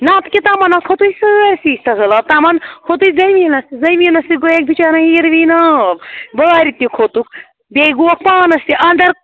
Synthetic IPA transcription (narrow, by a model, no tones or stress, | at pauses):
nãːt̪kʲit̪amɐnɐkʰot̪uisɨɾʲsiːsʲt̪ɐzɐlɐb̚t̪ɐmɐnkʰot̪ujzɐjminɐst̪izɐjminɐsiɡoek̚bit͡ʃaːnɐɦiːɾʋiːnaːbbaːɾit̪ːikʰot̪uk | bʲeɡuɐk̚paːnɐst̪iʔɐnd̪ɐɾ